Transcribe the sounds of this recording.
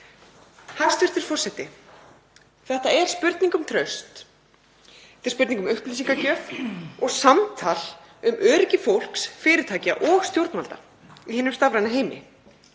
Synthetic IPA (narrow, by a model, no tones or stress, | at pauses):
hḁst̪ʏr̥t̪ɪɾ̥fɔr̥sɛt̪ɪ | θɛht̪aɛɾ̥spʏɾt̪niŋkʏmt̪ʰɾœɥst̪ | ɛt̪ɛɾ̥spʏɾt̪iŋkʏmʏhplisiŋkacœːfɔɣsamt̪ʰal | ʏmʔœːɾɪcɪfowl̥ksfɪːɾɪt̪ʰaːca̰ʔɔɣst̪jowɾt̪nmalt̪a̰ | ihɪːnʏmst̪avɾajnaɦeːjmɪ̰